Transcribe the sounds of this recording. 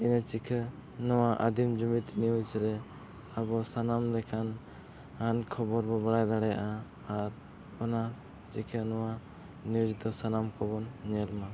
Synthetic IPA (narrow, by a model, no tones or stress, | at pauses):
inɛt͡ʃikʰənɔwaʔad̪imd͡ʒumit̪niud͡ʒɾɛ | abɔsanamlɛkʰan | ankʰɔbɔɾbɔbaɽajd̪aɽɛja̰ʔaː | ɾ | ɔna | t͡ʃikʰənɔwa | niud͡ʒd̪ɔsanamkɔbɔnːɛlma